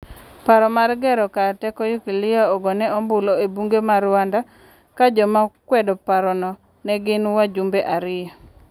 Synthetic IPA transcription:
paɾɔmarɡɛɾɔkatɛkɔjukilɪjaɔɡɔnɛɔmbʊloebuŋɡemaɾwanda | kad͡ʒɔmakwɛdɔpaɾɔnɔ | nɛɡɪnwad͡ʒumbeʔaɾɪja

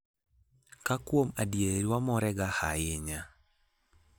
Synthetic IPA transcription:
kakwomadjeɾiwamɔɾɛɡahajeɲa

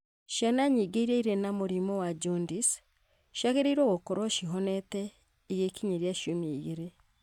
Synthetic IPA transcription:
ʃanaɲiɡeiɾeiɾɛnamoɾimɔwad͡ʒɔndis | ʃaɣeɾeiɾwoɣokoɾwɔʃiɦɔnɛtɛ | iɣekiɲeɾjaʃomiiɣeɾe

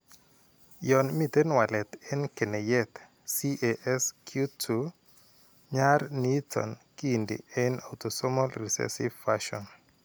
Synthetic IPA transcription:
jɔnmit̪enwalɛt̪ɛnkenejɛt̪ | siʔeʔɛskʰjutʰu | ɲarnitʰɔ̰nkiːndḭɛnawt̪osɔmɔlɾisɛ̰sivfaʃɔn

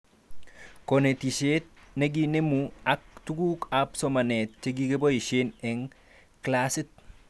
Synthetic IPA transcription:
konetiʃet̪̚neɡinemuak̚tuɡukapsɔmanet̚t͡ʃeɡiɡebojiʃenɛŋ | klasɪt̪̚

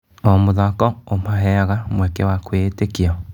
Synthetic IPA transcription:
ɔmoðakɔomaɦɛɣamwɛkɛwakweːtekea

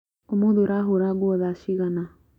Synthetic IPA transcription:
omoðoɾaɦoɾaɡwɔðaʃiɣana

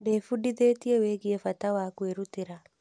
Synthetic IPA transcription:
defudiðeːtieweːɣiefatawakweɾutɪɾa

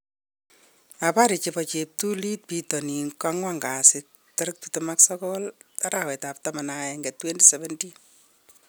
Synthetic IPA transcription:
apaɾit͡ʃepɔt͡ʃep̚tulit̚pitɔninkaŋwaŋɡasɪk̚ | tɔɾɨk̚tutumaksɔkɔlaɾawɛtap̚tamanaɛŋɡɛtwendisɛβɛntin

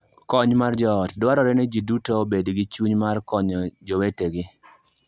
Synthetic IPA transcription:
kɔɲmard͡ʒɔːtdwaɾɔɾɛnɛd͡ʒidutoobedɡɪt͡ʃuɲmarkɔɲɔd͡ʒɔweteɡɪ

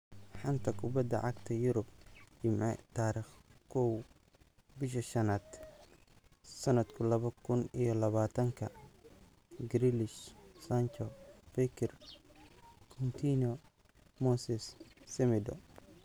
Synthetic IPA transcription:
ħɑnt̪ʰɐkʰʊbɐd̪ɐ̰ʕɑɡt̪ʰɐjʊɾʊb̚d͡ʒɪmʕɛ̰t̪ʰaːɾiːχkʰɔw | bɪʃ̬ɐʃɐnaːd̪̥ | sɐnɐd̪kʰʊlɐβɐkʰʊnijɔlɐβaːt̪ʰɐŋkʰɐ | ɡɾilɪʃsant͡ʃɔfɛkʰɛr | kʰɔnt̪ʰiːnɔ | mɔsɛssɛmɪd̪ɔ̰

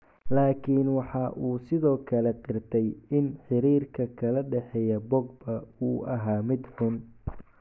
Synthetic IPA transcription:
laːkʰiːnwɑħɑʔuːsɪðɔːkʰɐlɛqɪrt̪ʰɛjɪnħɪɾiːrkʰɐkʰɐlɐɖɛħɛjɐbɔɡbɐuːʔɐɦaːmɪd̪ħʊn

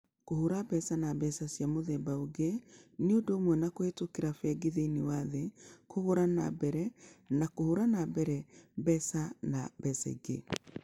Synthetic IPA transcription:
kohoɾabɛsanabɛsasjamoðɛbaoɡeneodomwɛnakoetokeɾafɛɡeðeinewaðekohoɾana̰bɛɾɛnakohoɾanabɛɾɛbɛsanabɛsɛ̰ɡe

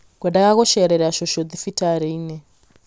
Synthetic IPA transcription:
kwɛndaɣaɣɔʃɛɾɛɾaʃɔʃɔd͡zifitʰaɾɛinɛ

